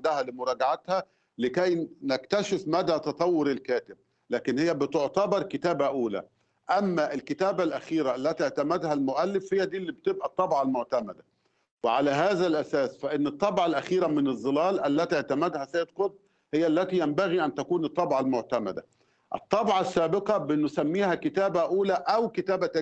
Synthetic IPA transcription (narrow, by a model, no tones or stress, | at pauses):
d̪æhælimʊɾˤɑːɡaʕat̪hæ | lɪkæjnækt̪æʃɪfmæd̪æːt̪ɑt̪ˤɑwːoɾɪlkæːt̪ɪb̚ | læːkɪnhejːæbɪt̪oʕt̪ɑbɑɾˤkɪt̪æːbæʔuːlæ̰ | ʔæmːæʔɪlkɪt̪æːbælʔæxiːɾæʔælːæt̪ieʕt̪æmæd̪hælmʊʔælːɪfhɪjːæd̪iːlːib̚t̪ebʔæt̪ˤːɑbʕɑlmoʕt̪æmæd̪æ | wɪʕalæɦæːzælʔæsæːsfæʔɪnːɨt̪ˤːɑbʕɑlʔæxiːɾæmɪnɨzˤːɨlæːlʔælːæt̪iiʕt̪æmæd̪hæsæːd̪qod̪ | hɪjːæʔlːæt̪iːjæmbæɣiʔænt̪ækuːnɨt̪ˤːɑbʕɑlmʊʕt̪æmæ̰d̪æ̰ | ʔɪ̰t̪ˤːɑbʕɑsːæːbɪqɑbɪnːʊsæmːiːhækɪt̪æːbæʔuːlæʔæwkɪt̪æːbæt̪æ